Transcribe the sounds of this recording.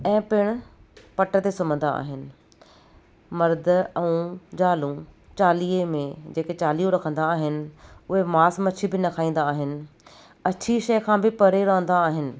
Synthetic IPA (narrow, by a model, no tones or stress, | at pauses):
ɛ̃ːpɪɽ̃ʊ | pɐʈət̪esʊmə̃nd̪a̰a̰ːɦɪnɪ̆ | mɐɾd̪ɛ̃ũd͡ʑaːlũ | t͡ɕaːliːemẽd͡ʑeːket͡ɕaːliːõɾɐkʰə̃nd̪aːɦɪnɪ̆ʊɦemaːsmɐt͡ɕʰibɪnɐkʰaːĩːn̆d̪aːɦɪnɪ̆ | ɐt͡ɕʰiʃɐjkʰãːbɪpɐɾeɾɐ̃ɦə̃n̆d̪aːɦɪnɪ̆